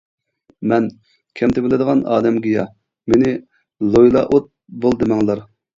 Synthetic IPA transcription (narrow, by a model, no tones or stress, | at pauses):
mɛn | kʲʰɛmt̪ɪbɪlɪd̪əʁɑnɑ̰ːd̪ɛmɡʲijɑ̰ | menɪ | lˠojlˠɑ̰ʔot̪̚ | bolˠd̪ɨmɛŋlˠɑɾ